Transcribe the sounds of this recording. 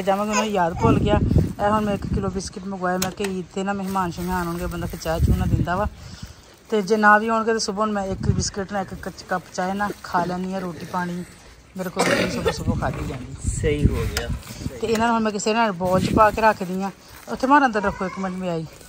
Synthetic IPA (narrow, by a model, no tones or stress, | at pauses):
d͡ʒaːʋãːkɪʊnãːijaːd̪polɡɪjaːɛːɦʊnmɛ̃ːɪkːɪloːbɪskɪʈməɡwaːeːmɛ̃ːkeiːt̪ʰːeːnãːməɦɪmaːnʃəŋãːnɦoːɳɡeːbənd̪aːkʰət͡ʃaːjeːt͡ʃʰuːnãːd̪ɪnd̪aːʋaː | t̪eːd͡ʒenãːʋiːɦoːɳɡeːt̪eːsʊbʊnmɛ̃ːɪkbɪskɪʈnãːɪkːət͡ʃkəpt͡ʃaːeːnãːkʰaːlɛ̃ːnd̪iːɛːɾoːʈiːpaːɽ̃iː | meːɾeːkːoːɾeːnːsʊbaːsʊboːkʰaːd̪iːd͡ʒãːnd̪iːsəiːɦoːɡɪaːt̪eːɪnãːnːɦʊnmɛ̃ːkɪseːɾnaːbɔːlt͡ʃəpaːkeːɾaːkʰd̪ɪjãː | ʊt̪ʰːeːmaːɾə̃nd̪əɾːəkʰːoːɪkːmẽɳʈmeaːiː